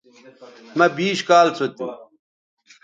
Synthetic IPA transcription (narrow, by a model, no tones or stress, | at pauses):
mɐbiːɕkaːlt͡sʰot̪ḭ